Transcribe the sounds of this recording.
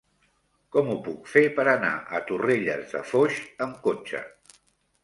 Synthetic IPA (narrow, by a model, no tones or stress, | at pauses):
kɔmupukfepəɾəna̰ʔə̰t̪ureʎə̰zðə̰foʃəmkot͡ʃə̰